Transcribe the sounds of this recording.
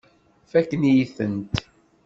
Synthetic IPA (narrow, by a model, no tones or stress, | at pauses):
fækːənjiθənt̪